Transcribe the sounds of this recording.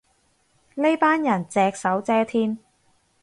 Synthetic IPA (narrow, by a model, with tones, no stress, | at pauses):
le˥jpaː˥njɐ˨˩nt͡sɛː˧k̚sɐ˨˥wt͡sɛː˥t̪ʰiː˥n